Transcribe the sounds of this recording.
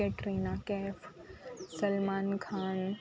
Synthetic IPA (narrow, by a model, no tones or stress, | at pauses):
eʈɾeːnakɛːfsɐlmaːnkʰaːn